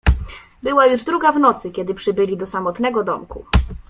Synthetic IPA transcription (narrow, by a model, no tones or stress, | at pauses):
bɘwajuʐd̪ɾuɡavnɔt̪sɘkʲɛd̪ɘpʂɘbɘlʲid̪ɔsamɔt̪nɛɡɔd̪ɔmkṵ